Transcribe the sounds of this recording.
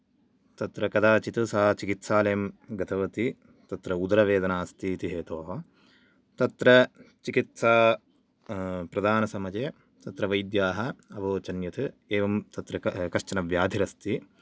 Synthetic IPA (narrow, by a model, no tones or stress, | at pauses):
t̪ɐt̪ɾɐkɐd̪aːt͡ʃit̪ɐsaːt͡ʃikit̪saːleːmɡɐt̪ʰɐʋɐt̪i | t̪ɐt̪ɾɐud̪ɐɾɐʋeːd̪ɐnaːst̪it̪iɦeːt̪oːɦɐ | t̪ɐt̪ɾɐt͡ʃikit̪saː | pɾɐd̪ʱaːnɐsɐmɐd͡ʒeː | t̪ɐt̪ɾɐʋɐjd̪jaːɦɐɐʋoːt͡ʃɐnjɐt̪ʰɨeːʋɐmt̪ɐt̪ɾɐkɐʃt͡ʃɐnɐʋjaːd̪ʱiɾɐst̪i